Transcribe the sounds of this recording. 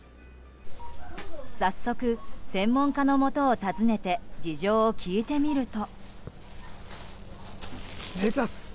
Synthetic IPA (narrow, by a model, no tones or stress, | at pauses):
sasːo̞kɯ̟sẽ̞mːõ̞ŋkano̞mo̞t̪o̞ːt̪azɨne̞t̪e̞d͡ʑiʑo̞ːkʲʰiːt̪e̞mʲiɾɯ̟t̪o̞ | eta